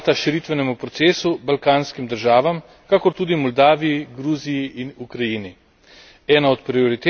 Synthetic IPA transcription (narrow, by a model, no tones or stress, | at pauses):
t̪aʃiɾit̪ʋɛnɛmupɾɔt̪seːsubalkaːnskimd̪əɾʒaːʋam | kakɔɾt̪uːd̪imɔld̪aːʋijiɡɾuːzijiʔinukɾajini | ɛːnaɔt̪pɾioɾit̪e